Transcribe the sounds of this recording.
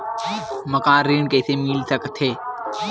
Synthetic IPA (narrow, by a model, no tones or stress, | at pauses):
məkãːɾiːɳkəːseːmiːlsəkt̪ʰeː